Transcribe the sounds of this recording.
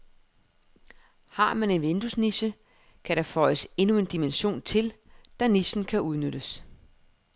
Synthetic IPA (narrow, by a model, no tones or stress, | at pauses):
hɑ̈ːmæne̝nʋend̥usniɕə | kʰæɾ̥ɑ̈fɒ̽ɪəse̝nue̝nd̥imenɕo̝̰ːnt͡sʰe̝ld̥ɑ̈niɕn̩kʰæʔuðˠnøɾ̥əs